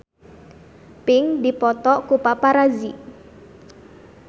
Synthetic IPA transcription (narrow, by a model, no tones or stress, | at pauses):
pɪŋdipɔt̪ɔkupapaɾazi